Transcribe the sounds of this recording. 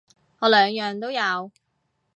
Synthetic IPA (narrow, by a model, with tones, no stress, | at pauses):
ŋɔː˨˧lœː˨˧ŋjœː˨ŋt̪o˥wjɐ˨˧w